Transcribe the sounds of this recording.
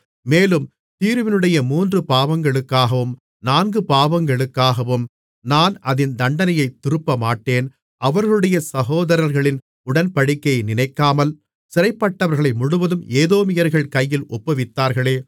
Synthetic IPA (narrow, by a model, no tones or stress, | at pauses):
meːlɯm | t̪iːɾʋɪnɯɽɐjɐmuːndrɯpaːʋɐŋɡɐɭɯkːaːɣɐʋɯm | naːnɡɯpaːʋɐŋɡɐɭɯkːaːɣɐʋɯm | naːnɐðɪnd̪ɐɳɖɐnɐjɐɪt̪ːɪɾɯpːɐmaːʈːeːn | ʔɐʋɐɾɣɐɭɯɽɐjɐsɐɣoːðɐɾɐɾɣɐɭɪn | ʊɽɐnpɐɽɪkːɐɪnɪnɐɪkːaːmɐl | sɪɾɐɪpːɐʈːɐʋɐɾɣɐɭɐɪmʊɽɯʋɐðɯmeːðoːmɪjɐɾɣɐɭkɐjːɪlʔɔpːɐʋɪt̪ːaːɾɣɐɭeː